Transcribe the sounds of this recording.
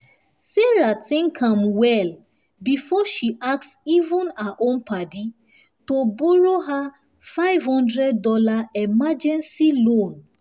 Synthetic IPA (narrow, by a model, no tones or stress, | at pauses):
seɹatĩnkʰãmwɛl | bifɔʃiʔak̚sivũnaʔõnpadi | tobɔɹoɦa | faɪvhɔ̃ndɹɛdːɔlaɛmad͡ʒɛ̃nsilõn